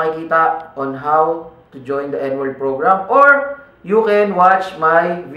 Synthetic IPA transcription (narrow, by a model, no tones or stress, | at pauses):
kɪkiːt̪ɐɔnɦawt̪ʊd͡ʒɔj̃nd̪ɐʔɛnwɔɹd̪̚pɹoɡɹamoɹ | jukɛnwat͡ʃmajv